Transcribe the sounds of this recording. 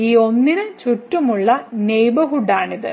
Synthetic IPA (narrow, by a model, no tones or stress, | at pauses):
iːo̞nːinɨt͡ɕutːumuɭːɐnejbɐɦuɖaːɳiðɨ̰